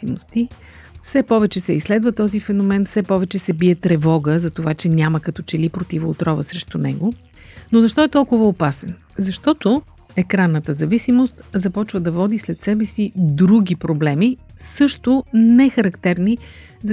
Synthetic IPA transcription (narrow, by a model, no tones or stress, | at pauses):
imo̰st̪i | fsɛpɔvɛt͡ʃɛsɛislɛd̪vət̪ɔzifɛnomɛnfsɛpɔvɛt͡ʃɛsɛbiɛt̪ɾɛvɔɡəzɐt̪ovat͡ʃɛnʲaməkɐt̪ɔt͡ʃɛlipɾot̪ivoːt̪ɾɔvəsɾɛʃt̪ʊnɛɡo | nozɐʃt̪ɔɛt̪ɔlˠkʊvəopasɛn | zɐʃt̪ɔt̪o | ɛkɾanːət̪əzɐvisimost̪zɐpɔt͡ʃvəd̪ɐvɔd̪islɛt̪sɛbɛsid̪ɾuɡʲipɾoblɛmisɤʃt̪onɛxɐɾɐkt̪ɛɾni | z